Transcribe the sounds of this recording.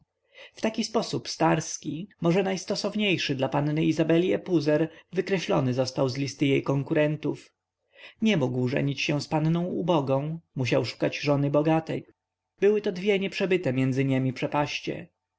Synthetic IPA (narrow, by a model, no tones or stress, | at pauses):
ft̪akʲispɔsupst̪aɾskʲimɔʐɛnajst̪ɔsɔvɲejʂɘd̪lapannɘizabɛlʲiɛpuzɛɾvɘkɾɛɕlɔ̰nɘzɔst̪awzlʲist̪ɘjejkɔŋkuɾɛnt̪uf | ɲɛmuɡwʐɛ̰ɲit͡ɕɕɛ̃spannɔ̃w̃ubɔɡɔ̃w̃muɕawʂu̥kad͡ʑʐɔnɘbɔɡat̪ɛj | bɘwɘt̪ɔd̪vʲjɛɲɛpʂɛbɘt̪ɛmjɛnd̪zɘɲemʲipʂɛpaɕt͡ɕɛ̰